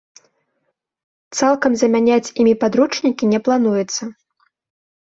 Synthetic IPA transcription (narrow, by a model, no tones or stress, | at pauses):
t̪salˠkɐmzɐmʲanʲat͡sʲimʲipad̪ɾut͡ʂnʲikʲinʲɛplˠan̪ujɛt̪sːɐ